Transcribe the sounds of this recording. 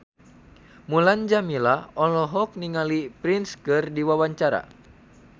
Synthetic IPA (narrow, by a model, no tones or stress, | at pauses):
muland͡ʒamilaɔlɔɦɔk̚niŋalipɾinskɨrdiwawaɲt͡ʃaɾa̰